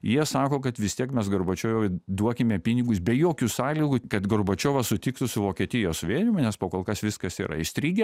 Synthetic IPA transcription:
jiɛsɑːkoːkɐt̪ʋʲɪst̪ʲiɛkmʲɛsɡɐɾboːt͡ʃʲoːʋʲoːʋʲɪd̪uɔkʲɪmʲɛpʲinʲɪɡʊsbʲɛjoːkʲʊsɑːlʲiːɡʊkɐt̪ɡorboːt͡ʃʲoːʋɐsʊt̪ʲiːkt̪ʊsʊʋoːkʲiɛt̪ʲɪjoːsʊʋʲeɛnʲɪmɐnʲɛspoːkoːlˠkɐsʋʲɪskɐsḭːɾɐ̰ɪsʲt̪ʲɾʲiːɡʲɛ

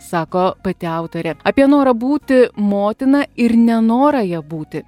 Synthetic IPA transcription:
sɑːkoːpɐt̪ʲɪɑʊt̪oːɾʲɛɐːpʲiɛnoːɾɐbuːt̪ʲɪmoːt̪ʲɪnɐɪɾnʲɛnoːɾɐjɛbuːt̪ʲɪ

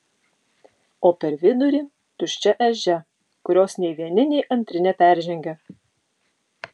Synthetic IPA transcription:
oːpʲɛɾʋʲɪd̪ʊɾʲiː | t̪ʊʃʲt͡ʃʲɛʔɛʒʲɛ | kʊɾʲoːsnʲɛɪʋʲiɛnʲɪnʲɛɪʔɐnʲt̪ʲɾʲɪnʲɛpʲæˑɾʲʒʲɛŋʲɡʲɛ

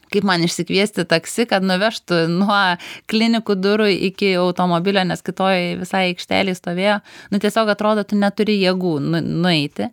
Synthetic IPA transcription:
kɐɪpmɐnɪʃʲsʲɪkʋʲiɛsʲt̪ʲɪt̪ɐksʲɪkɐt̪nʊʋʲɛʃt̪ʊnuɔklʲɪnʲɪkud̪ʊɾʊɪ̰kʲɪɐʊt̪oːmoːbʲɪlʲoːnʲɛskʲɪt̪oːjʋʲɪsɐɪɛɪkʃʲt̪ʲæ̰ːlʲɛɪst̪oːʋʲeːjoːnʊt̪ʲiɛsʲoːkɐt̪ɾoːd̪oːt̪ʊnʲɛt̪ʊɾʲɪjiɛɡuːnʊnʊɛɪt̪ʲɪ

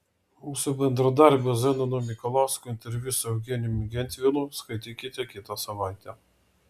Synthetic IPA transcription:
muːsʊbʲɛnd̪ɾɐd̪ɑɾʲbʲɐzɛnɐnʊmʲɪkɔlˠɑˑʊskʊɪnʲt̪ʲɛɾʲʋʲusʊɐʊɡʲɛnʲumʲɪɡʲɛnʲt̪ʲʋʲɪlˠʊskɐɪt̪ʲikʲɪt̪ʲɛkʲɪt̪ɐsɐʋɑˑɪt̪ʲɛ

